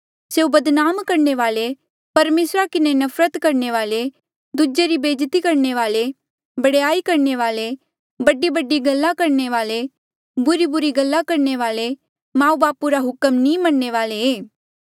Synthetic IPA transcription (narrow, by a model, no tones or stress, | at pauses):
seːubɐd̪naːmkɐɾɳeʋaːle | pɐɾmeːsɾakɪnenɐfʰɾət̪kɐɾɳeʋaːle | d̪ud͡ʒeɾibeːd͡ʒt̪ikɐɾɳeʋaːle | bɐɽejaːikɐɾɳeʋaːle | bɐɖibɐɖiɡɐlːakɐɾneʋaːle | bʊɾibʊɾiɡɐlːakɐɾneʋaːle | mãːubaːpuɾaɦʊkəmnĩmɐɳːeʋaːleeː